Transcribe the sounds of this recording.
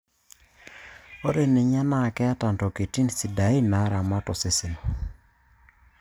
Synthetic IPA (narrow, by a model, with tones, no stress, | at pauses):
o˦ɾe˨nɪ˨ɲa˦na˦˨kɛ˦a˦ta˨ntɔ˨ke˨ti˦nsi˨da˨i˦na˨˦ɾa˨ma˦tɔ˨sɪ˦sɪ˨n˨